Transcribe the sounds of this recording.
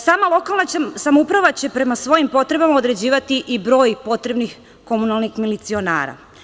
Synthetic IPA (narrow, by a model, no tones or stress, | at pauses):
saːmalˠo̞kalˠnasamoupɾaʋat͡ɕe̞pɾe̞masʋo̞jimpo̞t̪ɾe̞bamao̞d̪ɾe̞d͡ʑiːʋat̪iʔibɾo̞ːjpo̞t̪ɾe̞bnix | ko̞munalˠnixmilit̪sio̞na̰ːɾa̰